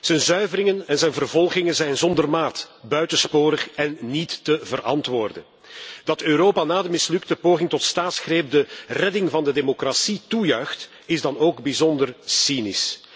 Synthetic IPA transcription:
z̥ənzœɥvəɾɪŋənɛnzɛjnvərvɔlˠɣɪŋənzɛjnzɔndərmaːt | bœɥtənspoːɾəχɛnːitːəvərʔɑ̰ntʋoːrdə̰n | d̥ɑtøːɾoːpanaːdəmɪslɵktəpoːɣɪŋtɔtstaːtsxreːp̚dərɛdɪŋvɑndədemokrasitujœɥxt | ɪzdɑnoːɡbizɔndərsinis

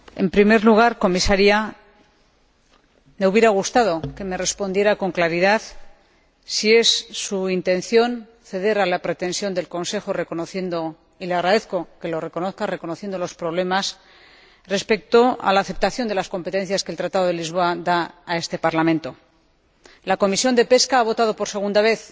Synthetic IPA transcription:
e̞mpɾime̞ɾluɣ̞aɾko̞misaɾia | me̞uβjeɾaɣ̞ust̪að̞o̞ke̞me̞re̞spo̞nd̪je̞ɾako̞ŋklaɾið̞aθ | sie̞sːuint̪ẽ̞nθjo̞n | θe̞ðe̞ɾalapɾe̞t̪e̞nsjo̞nd̪e̞lko̞nse̞xo̞re̞ko̞noθje̞nd̪o̞ | ileaɣɾaðe̞θko̞ke̞lo̞re̞ko̞noθkare̞ko̞noθje̞nd̪olo̞spɾo̞β̞le̞mas | re̞spe̞k̚t̪o̞a̰laːθe̞p̚t̪aθjo̞nd̪e̞lasko̞mpe̞t̪e̞n̟θjaskelt̪ɾat̪aðo̞ð̞elizβ̞o̞aðaːe̞st̪e̞paɾlamẽ̞nt̪o̞ | lako̞misjo̞nd̪e̞pe̞skaaβ̞o̞t̪að̞o̞poɾse̞ɣ̞und̪aβ̞e̞θ

